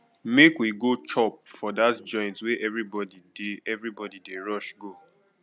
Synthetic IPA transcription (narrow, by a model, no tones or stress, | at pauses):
mekwiɡot͡ʃɔp̚fɔdatd͡ʒɔ̃ɪ̃ntweʔɛvɹibɔdideɛvɹibɔdideɹɔʃɡo